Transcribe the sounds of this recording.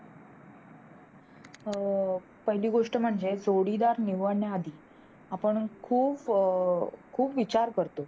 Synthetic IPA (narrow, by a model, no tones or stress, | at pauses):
pəɦiliːɡoʂʈəm̤əɳd͡zed͡zoɽiːd̪aɾniʋəɳjaːd̪ʱiː | apəɳkʰuːp | kʰuːpʋit͡ɕaɾkəɾt̪o